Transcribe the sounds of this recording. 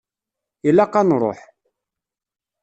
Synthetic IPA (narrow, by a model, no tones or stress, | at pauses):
ilːaqːɑnɾˤo̰ħ